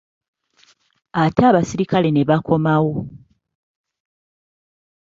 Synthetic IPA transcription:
ataːβasiɾikale̞ne̞βakʰo̞mawo̞

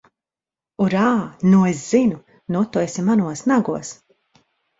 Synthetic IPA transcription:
uɾaːnuesz̥inu | nut̪ːɔjsʲimanuɔsnaɡuɔs

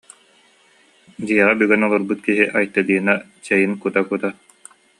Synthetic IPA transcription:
d͡ʑiɛʁabyɡɛnɔlˠɔɾbɯt̪̚kiɦiʔajt̪ːad̪iːna | t͡ɕɛjɯnkut̪akut̪a

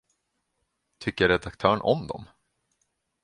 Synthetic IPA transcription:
t̪ʰʏkːəɾɛd̪ak̚t̪ʰœːɳʔɔ̰md̪ɔ̰m

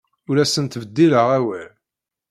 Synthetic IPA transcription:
ʊɾæsənt̪vəd̪ːiləʁæwæl

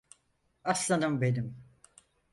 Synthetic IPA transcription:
aslˠanɯmbed̪im

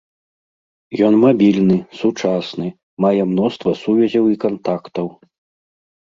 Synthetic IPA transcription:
jɔnmabʲilʲnɨsut͡ʂasnɨ | majɛmnɔst̪vɐsuvʲɐzʲɐwikant̪akt̪ɐw

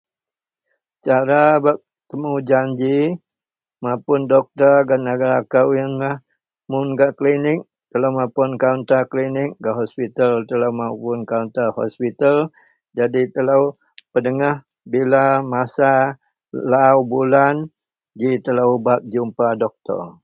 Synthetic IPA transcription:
t͡ʃaɾabap̚ | t̪əmud͡ʒaɲd͡ʒi | mapʊndɔk̚t̪ərɡanːaɡaɾakawənlah | mʊnɡaʔklinɪk̚ | t̪ələwmapʊnkaunt̪aklinɪk̚ɡaʔɦɔspit̪əlt̪ələwmapʊnkaunt̪əhɔ̰spit̪əl | d͡ʒadit̪ələw | pədəŋah | bilamasa | laubulan | d͡ʒit̪ələbap̚d͡ʒumpadɔk̚t̪ə̰r

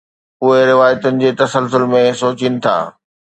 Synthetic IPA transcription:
ʊɦeɾɪʋaːjt̪ʊnɪ̆d͡ʑeːt̪ɐsəlsʊlmẽsoːt͡ɕinɪ̆t̪ʰa̰ː

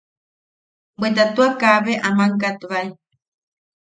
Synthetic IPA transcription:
bʷet̪at̪uakaβeʔamaŋk̬at̪uβai

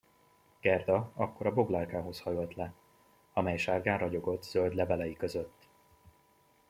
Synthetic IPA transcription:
ɡ̥ɛrd̪ɒɒkːo̞ɾɒbo̞ɡlaːrkaːɦo̞shɒjo̞lt̪lɛ | ɒmɛjʃaːrɡaːnrɒɟo̞ɡo̞t̪ːz̥øld̪lɛvɛlɛjikø̞zøt̪ː

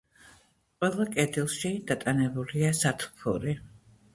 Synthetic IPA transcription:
qʼwɛlˠakʼɛd̪ilˠʃid̪̥at̪ʼanɛbuliasat̪ʰu̥pʰṵɾi

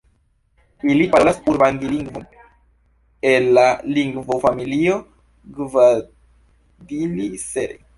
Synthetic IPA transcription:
ilipalaspuɾbandiliŋɡvom | elːaliŋɡvofamilio | ɡva | diliseɾḛ

